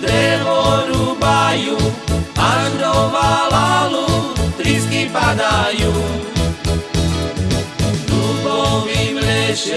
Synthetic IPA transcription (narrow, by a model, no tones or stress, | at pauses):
d̪ɾevoɾubajuaɾovalalut̪ɾiskipad̪aju | nukomiblɛʃ